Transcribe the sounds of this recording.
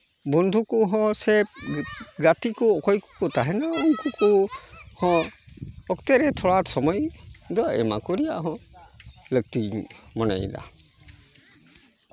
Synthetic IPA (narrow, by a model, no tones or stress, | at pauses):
bɔnd̪ʱukɔɦɔ̃sɛp̚ɡat̪ikɔɔkɔjku̥kɔt̪aɦɛnauŋkukɔhɔ̃ | ɔkt̪ɛɾɛt̪ʰɔɭat̪sɔmɔjd̪ɔɛ̰ma̰kɔɾɛjaʔɦɔ̃ | lək̚t̪iɲmɔnɛ̰jd̪a̰